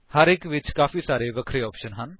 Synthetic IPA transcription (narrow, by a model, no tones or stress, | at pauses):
həɾɪkʋɪt͡ʃkaːfʰiːsaːɾeːʋəkʰɾeːɔːpʃənɦən